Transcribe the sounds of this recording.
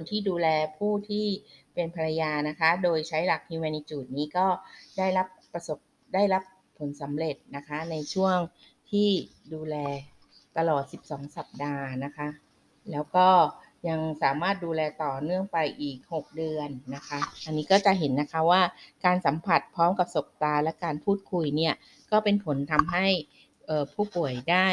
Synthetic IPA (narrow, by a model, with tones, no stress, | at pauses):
kʰo˧nt̪ʰiː˥˩duː˧lɛː˧pʰuː˥˩t̪ʰiː˥˩pe˧npʰa˧ɾa˧jaː˧na˦˥kʰa˦˥doː˧jt͡ɕʰa˦˥jla˨˩k̚ni˧wɛː˧ni˧˥t͡ɕuː˨˩t̪̚niː˦˥kɔː˥˩da˥˩jla˦˥pː | a˧so˨˩p̚ | daː˥˩jla˦˥p̚ʰːo˩˦nsa˩˦mɾe˨˩t̪̚na˦˥kʰa˦˥na˧jt͡ɕʰu˥˩əŋ | t̪ʰiː˥˩duː˧lɛː˧ | t̪a˧lɔː˨˩t̪̚si˨˩p̚sɔː˩˦ŋsa˨˩p̚daː˧na˦˥kʰa˦˥ | lɛː˦˥wkɔː˥˩ | ɲa˧ŋsaː˩˦maː˥˩t̪̚duː˧lɛː˧t̪ɔː˨˩nɯ˥˩əŋpa˧jʔiː˨˩k̚ho˨˩k̚dɯ˧ənːa˦˥kʰa˦˥ʔa˧nːiː˦˥kɔː˥˩t͡ɕa˨˩ʔɦe˩˦nːa˦˥kʰa˦˥waː˥˩kaː˧nsa˩˦mpʰa˨˩t̪̚pʰɔː˦˥mka˨˩p̚so˨˩k̚t̪aː˧lɛ˦˥kaː˧npʰuː˥˩t̪̚kʰu˧jni˥˩ɐ | kɔː˥˩pe˧npʰo˨˩˦nt̪ʰa˧mɦa˥˩j | ʔɤː˨˩pʰuː˥˩pu˨˩əjdaː˥˩